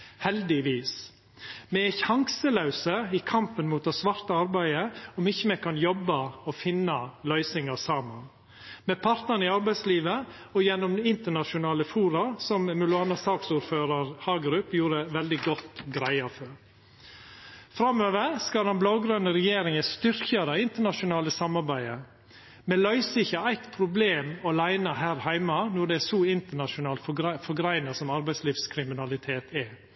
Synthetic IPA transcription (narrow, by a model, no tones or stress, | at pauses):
hɛld̪ɪʋiːs | mɛæçɑŋsəlɑʉsəɪkʰɑmpənmuːt̪ɔsʋɑɾt̪əɑɾbæɪəɔmɪçːəmɛkʰɑnjɔbːɑɔfɪnːɑlœʏsɪŋɑsɑːmɑn | mɛpʰɑɾt̪nənɪɑɾbæɪsliːʋə | ɔjɛnːɔmɪnt̪əɳɑʃʊnɑːləfuːɾɑɾsɔmmʉlʊɑːnɑsɑːksuːɾføːɾɑɾhɑːɡɾʉpjuːɾəʋɛld̪ɪɡɔt̪ːɡɾæɪɑføɾ | fɾɑmøːʋəɾskɑlɑnblɑʊɡɾœnəɾɛjeːɾɪŋəst̪ʏɾçɑd̪ɑɪnt̪əɳɑʃʊnɑːləsɑmɑɾbæɪə | mɛlœʏsəɪçːəæɪt̪pʰɾʊbleːmɔlæɪnɑhæːɾhæɪmɑnɔɖ̪ɛæsɔɪnt̪əɳɑʃʊnɑːlt̪fɔɾɡɾæɪnɑsɔmɑɾbæɪsliːfskʰɾɪmɪnɑlɪt̪ʰeːt̪ʰɛ